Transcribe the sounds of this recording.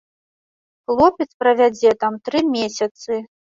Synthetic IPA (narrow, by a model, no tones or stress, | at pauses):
xlˠɔpʲɛt̪spɾɐvʲad͡zʲɛt̪amt̪ɾɨmʲesʲɐt̪sɨ